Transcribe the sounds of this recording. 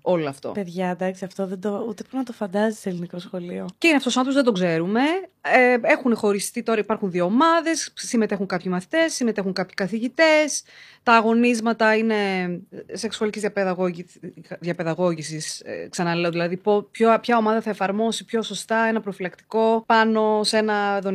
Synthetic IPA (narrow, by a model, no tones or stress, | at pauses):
o̞loɐft̪o̞̰peðʝɐd̪ɐksiɐft̪oðed̪out̪epɾnɐt̪ofɐnd̪ɐzi̥selinikɾosxo̞lioceineɐft̪osmɐt̪uzðed̪o̞ɡze̞ɾume̞ee̞xunexo̞ɾist̪it̪o̞ɾɐipɐɾxunðio̞ːmɐðe̞sːime̞t̪e̞xuŋkɐpçimɐθi̥t̪e̞sːime̞t̪e̞xuŋkɐpçi̥kɐθiʝit̪e̞st̪ɐːɣo̞nizmɐt̪ɐine̞ | se̞ksuɐlicizjɐpeðɐɣo | ðjɐpe̞ðɐɣo̞ʝisisksɐnɐleoðilɐðipopçopçɐo̞mɐðɐθɐefɐɾmo̞sipço̞so̞st̪ɐe̞nɐpɾofilɐkt̪iko̞pɐno̞se̞nɐðon